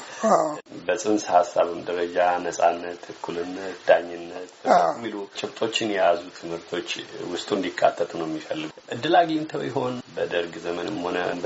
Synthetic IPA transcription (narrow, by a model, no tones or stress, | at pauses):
abəsʼɨnshasːaβɨmd̪əɾəd͡ʒanəsʼanːət̪ʰːɨkʰːulɨnːət̪d̪̥aɲːɪnːət̪mːilut͡ʃʼɪβt̪ʼo̞t͡ʃːɪnjɛjazut̪ʰɨmhɨɾt̪ʰo̞t͡ʃːwʊst̪ʼuɨnd̪ikʼːa̰t̪ʰːət̪ʰʼnəwjɛmːifəlːɨɡʔɨd̪ːɨlaɡint̪ʰəwjɪɦo̞nbəd̪əɾɡzəmənɨmho̞nə̰